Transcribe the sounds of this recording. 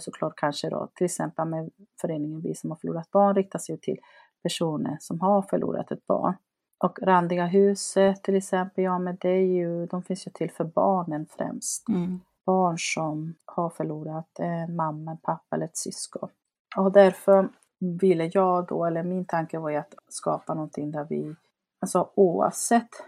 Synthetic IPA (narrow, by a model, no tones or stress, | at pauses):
sɔkʰlɑːʈ̚kʰanʂəd̪ɔ̰t̪ʰɪlɛksɛmpəlmɛfœɾeːnɪŋənvɪ̰sɔmhaɾfœɭṵːɾat̪̚bɑːɳɾɪk̚t̪asɛjɵt̪ʰɪ̰l | pʰæʂuːnə̰ɾʂɔmɦaɾfœɭʔṵːɾʔa̰t̪ɛt̪̚b̥ɑ̰ːɳ | ʔɔkɾand̪ɪɡaɦʉ̟ːsət̪ʰːɪlɛksɛmpəljɑːmɛd̪ɛæɾjɵd̪ɔmfɪnsjɵt̪ʰɪlːfœɾbɑːɳənfɾɛ̰mst̪ | b̥ɑːɳʂɔmhaɾfœɭuːɾat̪ɛnmamːanpʰapːaɛlːəɾɛt̪sʏskɔ̰n | ɔd̪æɾfœɾ | vɪlːəjɑːɡd̪ɔ̰ɛlːəɾmɪnt̪ʰaŋkəvaɾjat̪skɑ̰ːpanɔnt̪ʰɪŋd̪æɾvɪ̰ | alsɔuːva̰vsɛt̪ː